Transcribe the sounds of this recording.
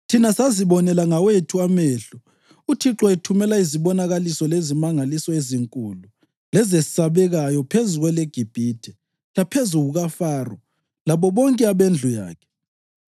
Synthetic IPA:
tʰinasaziβɔnɛlaŋawetʰuameːɬu | utʰiǁɔɛtʰumɛlaiziβɔnaɣalisɔlezimaŋalisɔeziŋkʼulu | lɛzesaβɛɣajɔpʰezuɣwɛleɡ̥ʱib̥ʱitʰɛ | lapʰezuɣuɣafaːrɔ | laβɔβɔŋkʼɛaβend͡ɮʱuja̰ːkʰɛ̥

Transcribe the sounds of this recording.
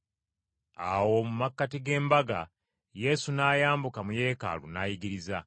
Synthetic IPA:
awo̞mumakːatiɡe̞ːmbaɡa̰ | je̞sunaːjaːmbukamuje̞ːka̰lṵnajiɡiɾiza

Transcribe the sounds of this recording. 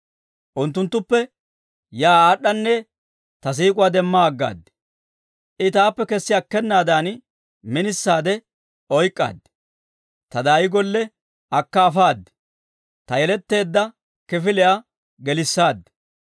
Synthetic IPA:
ʔʊnt̪ːʊnt̪ːʊpːɛ | jaːaːɗːɐnːɛ | t̪ɐs̬iːkʼʊwaːd̪ɛmːaːɡːa̰ːd̪ːɛ̥ | ʔɪt̪aːpːɛkɛsːɪɐkːɛnːaːd̪aːn | mɪnɪsːaːd̪ɛ | ɔjkʼːa̰ːd̪̥ː | t̪ɐd̪aːjɪɡɔlːɛ | ɐkːɐːfaːd̪ːɛ̥ | t̪ɐjɛlɛt̪ːe̞ːd̪ːɐ | kɪfɪlɪja | ɡɛlɪsːaːd̪ːɛ̥

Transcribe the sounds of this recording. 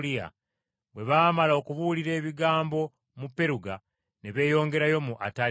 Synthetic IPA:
lia̰ | βwe̞βaːmalao̞kuβuliɾe̞ːβiɡaːmbo̞ | mupːe̞ɾuɡa | neβe̞ːjo̞ːŋɡe̞ɾajo̞muʔata

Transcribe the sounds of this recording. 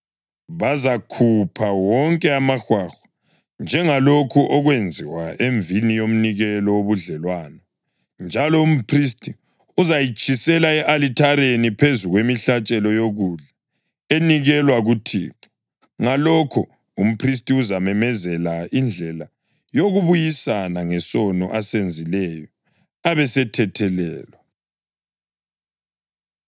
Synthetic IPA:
βazakʰupʰawɔŋkʼɛamaxwaxḁ | nd͡ʒʱɛŋalokʰuʔɔɣwend͡zʱiwaeɱvinijom̩niɣɛlɔoβuɮɛlwaːnɔ | nd͡ʒʱalɔum̩pʰris̬tʼi | uzajit͡ʃʰʼisɛlaɛʔalitʰaɾenipʰezuɣwemiɬat͡ʃʼɛlɔjoɣuɮa | eniɣɛlwaɣutʰḭːǃɔ̥ | ŋalɔkʰɔ | um̩pʰris̬tʼiuzamɛmɛzɛlaind͡ɮʱɛla | joɣuβujisanaŋɛsɔnɔ̰ʔasend͡zʱilɛjɔ | aβɛsɛtʰɛtʰɛlɛ̰ːlɔ

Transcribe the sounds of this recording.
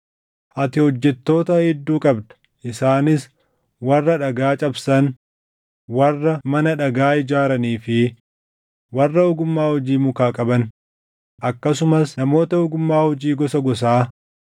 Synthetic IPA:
ʔɐt̪ɪhɔd͡ʒːɛt̪ːo̞ːt̪ɐhɪd̪ːuːkʼɐbd̪ɐ̥ | ʔɪsaːnɪs | wɐrːɐᶑɐɡaːt͡ʃʼɐbsɐn | wɐrːɐmɐnɐᶑɐɡaːɪd͡ʒaːɾɐniːfɪ | wɐrːɐʊɡʊmːaːhɔd͡ʒiːmʊkaːkʼɐbɐn | ʔɐkːɐsʊmɐsnɐmo̞ːt̪ɐʊɡʊmːaːhɔd͡ʒiːɡɔsɐɡɔs̬aː

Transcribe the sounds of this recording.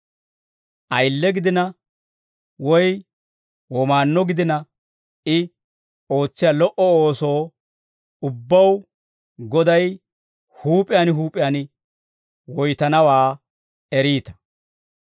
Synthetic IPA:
ʔɐjlːɛɡɪd̪ɪnɐ | wɔj | wɔmaːnːɔɡɪd̪ɪnɐ | ɪ | o̞ːt͡sːɪjaːlɔʔɔoːso̞ː | ʊbːɐw | ɡɔd̪ɐj | huːpʼɪjaːnɦuːpʼɪjaːnɪ | wɔjt̪ɐnɐwaː | ɛɾiːt̪ɐ̥

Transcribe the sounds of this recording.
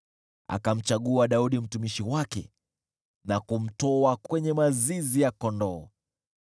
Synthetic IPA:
a̰kam̩t͡ʃaɠuaɗauɗim̩tumiʃiwakɛ̰ | nakum̩tɔakwɛɲɛmazizijakɔndɔː

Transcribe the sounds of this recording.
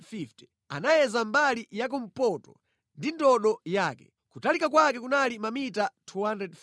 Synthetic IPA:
iftɛ̥ | a̰najɛzambalijak̬um̩pɔtɔ̰ | ndindɔɗɔjaːkɛ̰ | kutalikakwakɛkunalimamitatʰuhandɾɛd

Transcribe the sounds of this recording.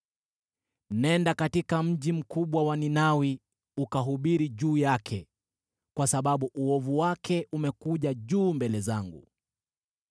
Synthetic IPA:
nɛndakatikam̩ʄim̩kuɓwawaninawi | ukaɦuɓiɾiʄuːjakʰɛ | kwasaɓaɓuʔuɔvuwakʰɛʔumɛkuʄaʄuːmbɛlɛzaŋɡu

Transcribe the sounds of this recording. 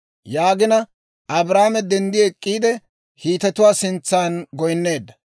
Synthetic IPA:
jaːɡɪnɐ | ʔɐbɾaːmɛd̪ɛnd̪ɪɛkʼːiːd̪ɛ | hiːt̪ɛt̪ʊwaːsɪnt͡sːaːnɡɔjnːe̞ːd̪ːɐ

